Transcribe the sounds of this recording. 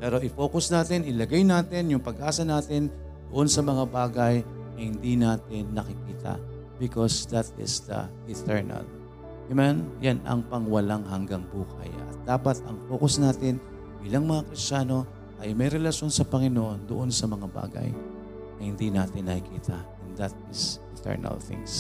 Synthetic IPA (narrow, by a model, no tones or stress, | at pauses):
pɛːɾo̞ʔɪfo̞ːkosnaːt̪ɪnɪlɐɡajnaːt̪ɪnjʊŋpɐɡʔaːsɐnaːt̪ɪn | d̪̥oʔo̞nsɐmɐŋabaːɡɐj | ɐhɪnd̪inaːt̪ɪnːɐkɪkiːt̪ɐ̰ | bɪkosd̪ɐt̪̚ɪ̰sd̪ɐ̰ | ɪt̪ʰɛɹnɐ̰l | ʔɪmɛnjanɐ̰ŋpɐŋwɐlaŋɦɐŋɡaŋbuːkɐ̰jɐ̰t̪̚d̪aːpɐt̪ɐŋfoːkosnaːt̪ɪn | bilaŋmɐŋakɾɪst͡ʃaːno̞ | ʔɐjmɐjɾɛlɐʃo̞nsɐpɐŋɪnoʔo̞nd̪oʔo̞nsɐmɐŋaba̰ːɡɐ̰j | ɐjhɪnd̪inaːt̪ɪnːɐkɪkiːt̪ʰɐʔɛnd̪ɐt̪̚ɪsɪt̪ʰɛ̰ɹnɐ̰lθɪ̰ŋs